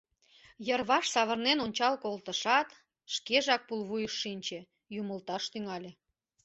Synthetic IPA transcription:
jərβɑʃsɑβərnenonʲt͡ɕɑlkolt̪əʃɑt̪ | ʃkeʒɑk̚pulβujəʃːinʲt͡ɕe | juməlt̪ɑʃt̪yŋɑlʲe

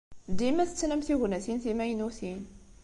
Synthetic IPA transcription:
d̪imæθət͡sːnæmθiʝnæθinθimæjnuθin

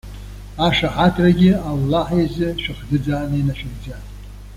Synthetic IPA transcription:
aʂaħatʰraɡʲɪalːaħjazɪʃᶣɨχdɨd͡zaːnɨinaʃᶣɪɡd͡za

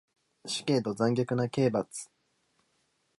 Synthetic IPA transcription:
ɕi̥ke̞ːt̪o̞d͡zãŋɡʲokɯ̟nake̞ːbat͡sɨ̥

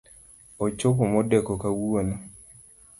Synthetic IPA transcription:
ot͡ʃokomɔdekɔkawuonɔ

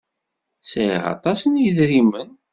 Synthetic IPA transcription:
sḭʁɑ̰t̪ˤɑsənjiðɾimən

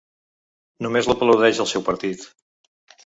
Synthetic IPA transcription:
numezləpələwðɛʒəlˠsɛwpəɾt̪it̪

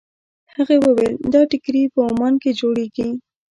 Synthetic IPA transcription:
həɣewəweld̪ɑʈɪkɾipəʊmɑnked͡ʒoɽeɡi

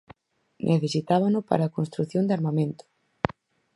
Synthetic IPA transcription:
nʔeθesit̪aβanʊpa̰ɾaːkõnst̪ɾuθjõnd̪aɾmamẽnt̪ʊ̥

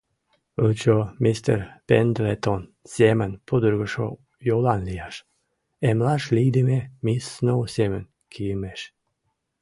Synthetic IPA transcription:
əlt͡ɕomist̪ə̰ɾpend̪let̪onz̥ʲemənpʰod̪əɾɣəʃo̰ | jolˠɑnlijɑʃ | emlɑʃlʲid̪imemisːnowsʲemən | kʰijəmeʃ

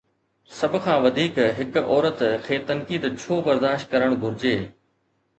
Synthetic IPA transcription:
sɐbʱʊ̆kʰãːʋɐd̪ʱiːkɦɪkɔːɾət̪kʰeːt̪ɐnkiːd̪t͡ɕʰoːbɐɾd̪aːʃt̪̚kɐɾəɽ̃ɡʱʊɾɪd͡ʑeː

